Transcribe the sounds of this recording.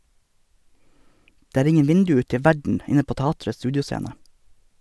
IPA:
ˈdeː ˈæːɾ ˈɪŋən ˈʋɪndʉ ˈʉːt ˈtɛ ˈʋæɖɳ̩ ˈɪnə ˈpoː ˈtɑːtɾəs ˈstʉːdɪʊˌseːnə

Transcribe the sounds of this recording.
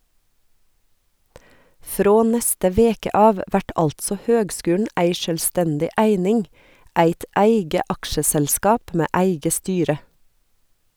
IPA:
ˈfɾoː ˈnɛstə ˈʋeːkə ˈɑːʋ ˈʋæʈ ˈɑltsɔ ˈhøːɡˌskʉːɳ̩ ˈæɪ ˈʃøːlˌstɛndɪ ˈæɪnɪŋ ˈæɪt ˈæɪɡə ˈɑkʃəsɛlˌskɑːp ˈmeː ˈæɪɡə ˈstyːɾə

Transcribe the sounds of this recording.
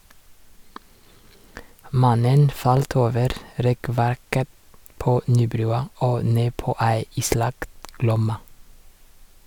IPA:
ˈmɑnən ˈfɑlt ˈoːʋəɾ ˈɾɛˌkʋæɾkə ˈpoː ˈnyːˌbɾʉːɑ ˈoː ˈneː ˈpoː ˈæɪ ˈiːˌslɑkt ˈɡlɔmɑ

